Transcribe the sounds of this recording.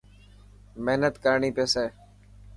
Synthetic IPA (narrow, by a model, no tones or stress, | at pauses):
meɦnət̪kəɾɳiːpeːseː